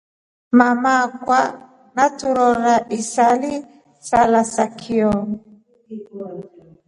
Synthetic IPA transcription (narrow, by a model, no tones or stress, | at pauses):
mamakwa | natuɾɔɾaʔisali | salasakʰiɔ